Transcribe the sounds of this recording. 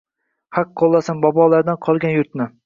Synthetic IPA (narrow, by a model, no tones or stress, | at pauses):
haqʰːolˠːasanbɒbɒlˠaɾd̪anqʰɒlˠɡʲanjʊɾt̪̚nɪ